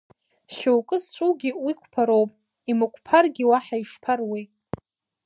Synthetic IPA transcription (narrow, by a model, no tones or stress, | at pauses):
ʃowkʼɨzt͡ʃʷʼuwɡʲiwikʷʰpʰaɾowpʼ | imɨkʷʰpʰarɡʲiwaħaiʂpʰarwi